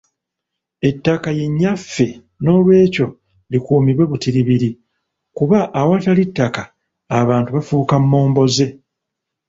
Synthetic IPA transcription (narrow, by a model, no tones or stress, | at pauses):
e̞tːakaje̞ɲːafːe̞ | no̞ːlwe̞ːco̞ | likuːmiβwe̞βutiɾiβiɾi | kuβaʔːwatalitːakaː | βaːntuβafuːkamːo̞ːmbo̞ze̞